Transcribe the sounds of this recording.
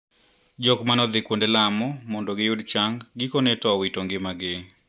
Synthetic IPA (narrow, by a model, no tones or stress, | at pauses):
d͡ʒɔkmanɔd̪ɪkwondelamɔmɔndɔɡɪjʊdt͡ʃaŋɡɡikonɛtɔwitoŋɡɪmaɡɪ